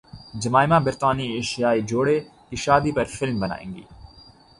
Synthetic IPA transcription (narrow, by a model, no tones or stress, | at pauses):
d͡ʒɐmaːɪmãbɪɾt̪aːnieːʃijaːid͡ʒoːɽekiʃaːd̪ipɐɾfɪlmbɐna̰ːḛ̃ːŋɡḭː